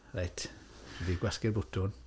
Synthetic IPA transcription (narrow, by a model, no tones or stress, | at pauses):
rejtʰ | ɛdiɡwaskɪrbʊtʰʊn